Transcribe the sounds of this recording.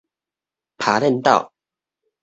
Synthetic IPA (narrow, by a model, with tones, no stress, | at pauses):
pʰa˨˦ɾɛ˥˨nt̪a̰˥˨ʊ